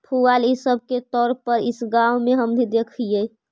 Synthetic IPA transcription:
pʰualisəb̚ket̪ɔːɾpəɾisɡawmeɦəmnid̪ekʰije

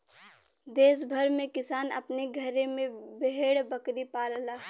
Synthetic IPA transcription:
d̪eːsbʱəɾmẽkɪsaːnɐ̰pneɡʱɐɾemẽbeɦeːɽbɐkɾipaːllaː

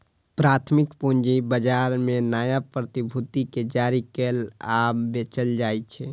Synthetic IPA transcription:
pɾaːt̪ʰmɪkpond͡ʒibəd͡ʒaːɾmẽnaːjapɾət̪ibʱut̪iked͡ʒaːɾikelaːbet͡ʃəld͡ʒaːjt͡ʃʰɛ

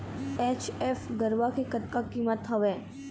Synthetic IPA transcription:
eːt͡ʃefɡəɾʋakekɐt̪̚kakiːmət̪ɦəʋeː

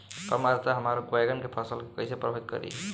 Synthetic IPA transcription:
pəmaɾt̪aɦəmaɾoɡoeɡənkepʰəsəlkekəjsepɾəbʱeɡ̚kə̰ɾḭ

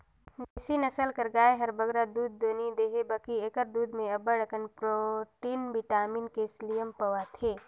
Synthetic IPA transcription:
nesinəsəlkəɾɡaːeɦəɾbəɡɾad̪uːd̪̚ːoːnid̪eːɦebəkieːkəɾd̪uːd̪mẽɐbəɽəkənpɾoʈiːnbiʈaːminkeslijəmpəʋat̪ʰeː

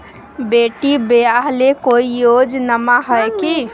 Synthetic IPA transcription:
beʈibeaɦlekoijod͡ʒnəmaɦəjki

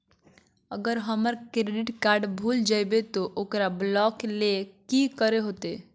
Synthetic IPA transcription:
əɡəɾɦəməɾkɾeɖiʈkaɾɖbʱuld͡ʒajbet̪ɔʔokɾablɔklekikəɾeɦot̪e

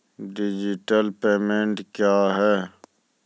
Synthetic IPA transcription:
ɖɪd͡ʒiʈəlpeːmẽɳʈkjaːɦɛː

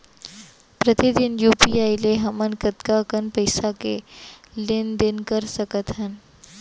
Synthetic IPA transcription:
pɾət̪id̪ɪnjuːpiaːileɦɐmənkət̪kakənpəɪsakelɪnd̪ɪnkəɾsəkət̪ɦən

